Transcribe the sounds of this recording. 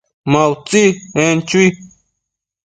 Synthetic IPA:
mawt͡sient͡ɕui

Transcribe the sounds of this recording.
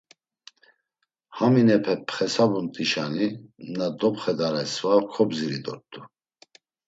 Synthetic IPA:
haminɛpʰɛpʰχɛsabunt̪ʼiʃaninad̪ɔpχɛd̪aɾɛsvakʰɔbziɾid̪ɔ̰ɾt̪ʼu

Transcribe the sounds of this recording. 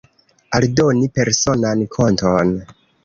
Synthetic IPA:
aldo̞nipe̞ɾso̞nankʰo̞nton

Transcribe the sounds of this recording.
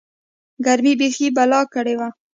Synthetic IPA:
ɡaɾmibexibalɑkəɽewa

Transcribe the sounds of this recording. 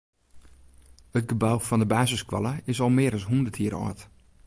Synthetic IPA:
ət̚ɡəbawfɔndəbaːzɪskwɔlˠəɪsɔlˠmɪəɾɔsɦundərtʰiəɾɔ̰ːt

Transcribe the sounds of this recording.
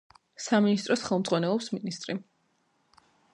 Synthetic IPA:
saminist̪ʼɾɔsχɛlˠmd̪zʼʁwanɛlˠɔpsminist̪ʼɾi

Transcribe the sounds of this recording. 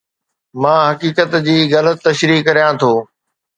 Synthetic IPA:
mãːɦɐkiːkət̪d͡ʑiːɣɐlət̪ːɐʃɾiːkːɐɾijãt̪ʰoː

